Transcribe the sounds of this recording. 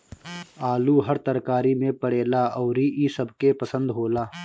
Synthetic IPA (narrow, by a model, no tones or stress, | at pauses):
aːluːɦəɾt̪əɾkaːɾimẽpəɽeːlaɔːɾiʔisəbkepəsə̃nd̪ɦoːlaː